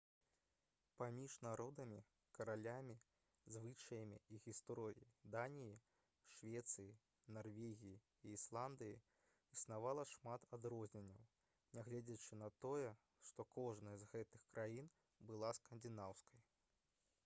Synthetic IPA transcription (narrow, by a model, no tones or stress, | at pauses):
pamʲiʐnaɾɔd̪ɐmʲi | kɐɾalʲamʲi | zvɨt͡ʂɐjɐmʲḭiɣʲist̪ɾɔɾʲiid̪anʲiji | ʂvʲɛt̪sɨji | narvʲeɣʲiji | iːslˠand̪ɨji | isnavalˠɐʂmat̪ad̪ɾɔzʲnʲɛnʲːɐw | nʲaɣlʲɛd͡zʲɐt͡ʂɨnɐt̪ɔjɛ | ʂt̪ɔkɔʐnɐjzɣɛt̪ɨxkɾʔajin | bɨlˠaskɐnd̪ʲɨnawskɐj